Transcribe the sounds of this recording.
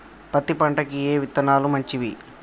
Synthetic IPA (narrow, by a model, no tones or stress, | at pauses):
pɐt̪ːipɐɳʈɐkijeːʋit̪ːɐnaːlumɐɲt͡ʃiʋi